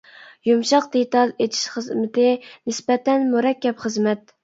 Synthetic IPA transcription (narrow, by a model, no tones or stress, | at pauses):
jumʃɑqd̪et̪ɑlˠet̪ʰi̥ʃχəzmɪt̪ɪnɪsbɛt̪ɛnmuɾɛkʲːɛpχəzmɛt̪̚